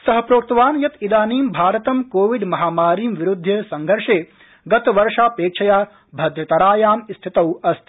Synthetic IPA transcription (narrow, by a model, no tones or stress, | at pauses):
sɐɦɐpɾoːk̚t̪ɐʋaːnjɐt̪id̪aːniːmbʱaːɾɐt̪ɐmkoːʋiɖmɐɦaːmaːɾiːmʋiɾud̪ʱːɐsɐŋɡʱɐɾʂeː | ɡɐt̪ʋɐɾʂaːpeːk̚t͡ʃʰɐjaː | bʱɐd̪ʱjɐt̪ɐɾaːjaːmist̪ʰit̪ɐwɐst̪ʰi